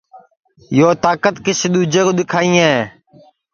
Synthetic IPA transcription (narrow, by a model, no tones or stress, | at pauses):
joːt̪aːkət̪kɪsɪɗ̪uːd͡ʒeːkoːɗ̪ɪkʰaːĩːeː